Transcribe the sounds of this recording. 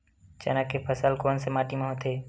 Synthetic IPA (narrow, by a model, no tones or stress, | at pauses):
t͡ʃə̰nəkːepʰəsəlkoːnsemaːʈimẽɦot̪ʰeː